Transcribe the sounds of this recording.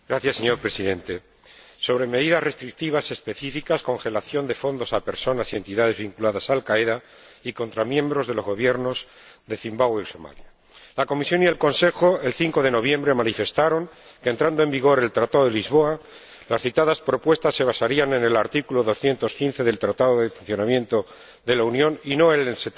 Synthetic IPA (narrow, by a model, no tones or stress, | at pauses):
ɡ̥ɾaθjasːe̞ɲo̞ɾpɾe̞siðe̞nt̪e̞ | so̞β̞ɾeme̞ðiðasre̞st̪ɾik̚t̪iβ̞ase̞spe̞θifikasko̞ŋxe̞laθjo̞nd̪e̞fo̞nd̪o̞sape̞ɾso̞nasient̪iðaðe̞zβiŋkulaðasalkaeða | iko̞nt̪ɾamjẽ̞mbɾo̞zðelo̞zɣo̞β̞je̞ɾno̞z | ðe̞θimbawiso̞ma̰lja | lako̞misjo̞nielko̞nse̞xoe̞lθiŋko̞ð̞e̞no̞β̞je̞mbɾe̞manife̞st̪aɾo̞ŋ | ke̞nt̪ɾand̪oe̞mbiɣ̞o̞ɾe̞lt̪ɾat̪aðoðelizβo̞a | lasθit̪aðaspɾo̞pwe̞st̪asːe̞βasaɾiane̞ne̞laɾt̪ikuloðo̞sθje̞nt̪o̞skin̟θe̞ðe̞lt̪ɾat̪aðoðe̞funθjo̞namje̞nt̪o̞ | ðe̞launjo̞nino̞enelse